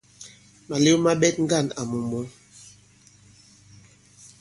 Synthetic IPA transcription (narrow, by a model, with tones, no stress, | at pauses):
ma˨le˦ma˦ɓɛ˦t̚ŋ̩˦ɡa˦˨na˨mu˨mɔ˨˦